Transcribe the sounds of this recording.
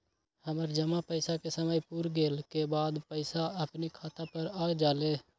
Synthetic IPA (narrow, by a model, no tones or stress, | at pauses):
həməɾd͡ʒəmapəɪsakesəməjpuɾɡeːlkebaːd̪pəɪsaəpnikʰaːt̪apəɾaːd͡ʒaːle